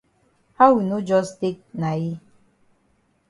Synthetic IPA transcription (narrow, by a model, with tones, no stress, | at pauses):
ha˦ʊwi˨no˦d͡ʒɔ˦ste˦k̚na˨ji˦